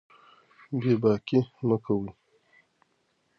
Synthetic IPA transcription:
bebaːkiməkawi

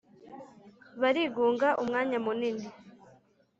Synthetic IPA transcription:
βaɾiːɡuːŋɡaʔumŋaːɲamunini

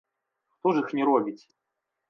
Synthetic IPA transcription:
ʂt̪ɔʐɨxnʲɪɾɔbʲit͡sʲ

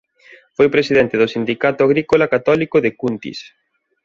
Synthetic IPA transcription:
fojpɾesiðɛnt̪ɪðʊsind̪ikat̪ʊaɣ̞ɾikolakat̪ɔlikoðekunt̪ḭs

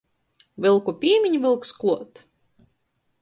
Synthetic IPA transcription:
vɨlˠkupʲiːmʲiɲʲvɨlˠksklˠuɔt̪

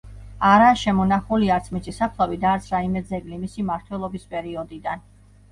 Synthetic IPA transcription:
aɾaʃɛmɔnaχuliaɾt̪sʰmit̪sʼisapʰlˠavid̪aːɾt̪sʰɾaimɛd̪zɛɡlimisimaɾt̪ʰwɛlˠɔbispʼɛɾiɔd̪id̪an

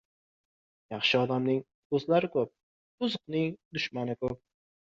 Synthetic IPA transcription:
jɑχʃɪɒd̪amnɪŋ | ɵzlaɾɪkʰɵp̚ | ʊzʊqnɪŋd̪ʊʃmanɪkʰɵp̚

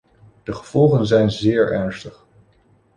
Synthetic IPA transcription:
d̥əχəv̥ɔlˠχənzɛjnzɪːɹɛɹnstəχ

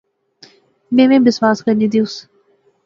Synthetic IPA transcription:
mẽːʋẽːbɪsʋaːskəɾnĩd̪iʊs

